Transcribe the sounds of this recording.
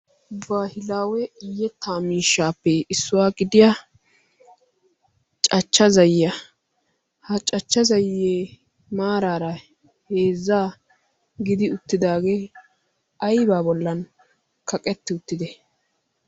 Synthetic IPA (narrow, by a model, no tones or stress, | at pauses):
baːhɪlaːwɛɪjːɛt̪ʰːaːmiːʃːaːpːɛɪsːʊwaːɡɪd̪ɪja | t͡ʃʼɐt͡ʃːɐzɐjːɐ | hɐt͡ʃʼɐt͡ʃːɐzɐjːeː | maːɾaːɾɐ | heːzːaː | ɡɪd̪ɪʊt̪ːɪd̪aːɡeː | ɐjbaːbɔlːɐn | kʰɐkʼɛt̪ːɪʊt̪ːɪd̪ɛ